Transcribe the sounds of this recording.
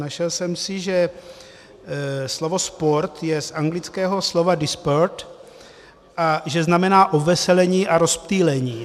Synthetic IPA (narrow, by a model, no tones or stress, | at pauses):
naʃɛlsɛmsɪʒɛ | slo̞vo̞spo̞ɾt̪jɛsʔaŋɡlɪt͡skɛːɦo̞slo̞vadɪspoɾt̪ | ʔaʒɛznamɛnaːʔovɛsɛlɛɲiːʔaɾo̞spt̪iːlɛɲiː